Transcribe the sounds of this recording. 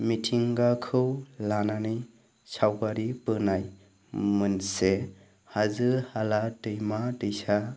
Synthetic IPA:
mitʰiŋɡakʰɯwlananɯj | sawɡaɾipɯnaj | mɯnse | hazɯhalatɯjmatɯjsa

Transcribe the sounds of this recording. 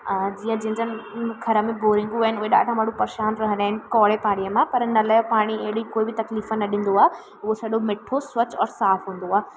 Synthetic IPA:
d͡ʑĩːə̃d͡ʑɐ̃ɦɪ̃ɲd͡ʑənɪkʰɐɾəmẽboːɾɪ̃ŋɡuaːɦɪnɪʊɦeɗa̰ːʈʰãmɐɽ̤ũpɐɾʃaːnɾɐɦə̃nd̪aːɪnɪ̆kɔːɭepaːɽ̃ijəmãpɐɾnɐlaːjopaːɽ̃iɐɦɪɽikoːibɪt̪ɐkliːfənɐɗɪ̃ːn̆d̪oaːɦe | ʊɦosɐɗomɪʈʰoswɐt͡ɕɔːɾsaːfɦũːn̆d̪oaː

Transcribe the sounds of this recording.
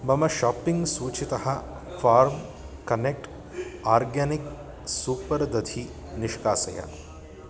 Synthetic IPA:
mɐmɐʃaːpiŋɡsuːt͡ʃit̪ɐhɐ̆ | faːɾm | kɐnek̚ʈ | aːɾɡaːnik | suːpɐɾd̪ɐd̪ʱʰi | niʃkaːsɐ̰ja̰

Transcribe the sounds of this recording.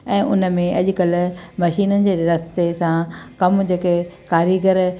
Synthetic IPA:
ɛ̃ːʔʊnə̆mẽʔɐʄʊ̆kɐlmɐʃiːnənɪ̆d͡ʑeːɾɐst̪esãkɐmd͡ʑekekaːɾiɡəɾ

